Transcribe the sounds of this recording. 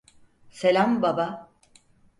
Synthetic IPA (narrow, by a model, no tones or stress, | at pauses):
selʲambaba